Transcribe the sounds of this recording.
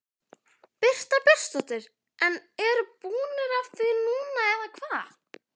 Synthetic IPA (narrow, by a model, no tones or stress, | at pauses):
pɪr̥t̪apɪr̥st̪ɔt̪ɪɾ | ʔɛnɛɾpuːnɪɾaft̪ɪnuːnaɛðakʰvaː